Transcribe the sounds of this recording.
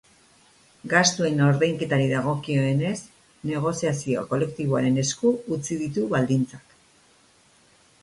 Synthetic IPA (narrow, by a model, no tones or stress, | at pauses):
ɡast̪ue̞no̞ɾðejŋke̞t̪aɾiðaɣ̞o̞kio̞e̞ne̞s | ne̞ɣ̞o̞siasioa̰ko̞le̞kt̪iβ̞oaɾe̞ne̞skuːt͡siðit̪uβald̪int͡sḁk